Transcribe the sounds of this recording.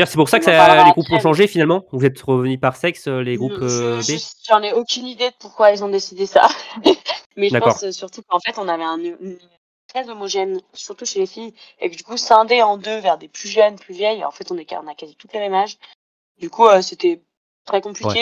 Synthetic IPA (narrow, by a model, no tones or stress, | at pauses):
djœʁsɛpuʁsakəsaleɡʁupɔ̃ʃɑ̃ʒefinalmɑ̃vuzɛt̪ʁəvənypaʁsɛksøleɡʁupøbeʒɑ̃nɛokʲynid̪ed̪əpuʁkwaɛlzɔ̃d̪esid̪esa̰ | mɛʒəd̪akpɑɔ̰ʁssyʁt̪ukɑ̃fɛt̪ɔ̃navɛɛ̃nn | t̪χɛzomɔʒɛnsyʁt̪uʃelefijḛkəd̪ykusɛ̃d̪eɑ̃d̪øvɛʁd̪eplyʒœnplyvjɛjɑ̰̃fɛt̪ɔ̃nɛkɔ̃nakazit̪ut̪leʁimaʒ | d̪ykuøset̪ɛ | t̪χɛkɔ̃pliwɛkɛe